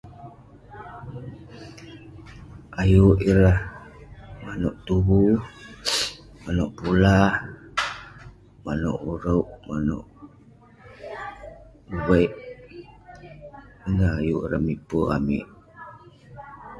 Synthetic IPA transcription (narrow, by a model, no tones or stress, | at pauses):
ajuʔiɾah | manoʔt̪uβu | manoʔpula | mano̰ʔuɾauʔmano̰ʔ | uweiʔ | əŋɡaajuʔḭɾamipoa̰mḭʔ